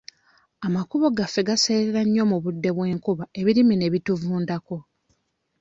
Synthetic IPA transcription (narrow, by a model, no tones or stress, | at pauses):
amakuβo̞ɡafːe̞ɡase̞ːɾeɾaɲːo̞muβudːe̞βwe̞ːŋkuβae̞βiɾimine̞βituvuːndako̞